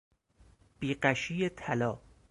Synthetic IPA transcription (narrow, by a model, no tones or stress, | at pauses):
b̥iːɢæʃiːet̪ʰælɒː